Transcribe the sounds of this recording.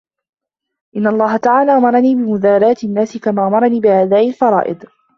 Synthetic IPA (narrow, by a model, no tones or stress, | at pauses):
ʔɪnːaɑlˤːɑːɦat̪aʕaːlaːʔamɑɾˤɑniːbɪmʊðaːɾaːt̪ɪnːaːsɪkamaːʔamɑɾˤɑniːbɪhaːd̪aːʔɪlfɑɾˤɑ̰ːʔɪ̰d̪